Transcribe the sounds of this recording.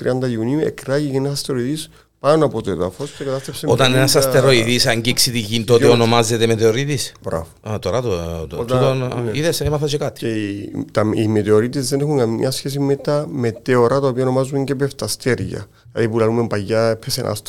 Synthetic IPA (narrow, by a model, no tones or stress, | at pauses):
t̪ɾiɐnd̪ɐiuniuḛkɾaʝiceenɐsɐst̪eɾoiðis | pɐnɐpot̪oeðɐfoscekɐt̪ɐst̪epseot̪ɐnenɐsɐst̪eɾoiðisɐɲɟiksit̪iʝint̪ot̪eonomazet̪emet̪eoɾit̪isb̥ɾa̰voat̪oɾɐt̪oot̪ut̪oniðesmaθosekat̪i̥eit̪ɐimet̪eoɾit̪izðenexuŋɡɐmɲɐsçes̬imet̪ɐme̞t̪eoɾɐt̪ɐopiɐono̞mɐzuɲɟepeft̪ɐst̪eɾʝɐ̰ | lɐ̰ðipulɐlumempɐjːɐepʰːesḛnʔɐ̰st̪